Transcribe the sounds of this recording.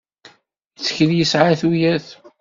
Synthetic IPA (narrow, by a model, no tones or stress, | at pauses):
t͡sːə̥çəljəsʕaθujæθ